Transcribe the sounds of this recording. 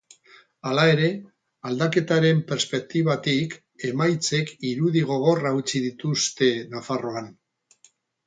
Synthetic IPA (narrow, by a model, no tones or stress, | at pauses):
alae̞ɾe̞ | ald̪ake̞t̪aɾe̞mpe̞ɾspe̞k̚t̪iβat̪ik | e̞majt͡se̞kiɾuðiɣ̞o̞ɣ̞o̞raut͡siðit̪ust̪e̞nafaro̞an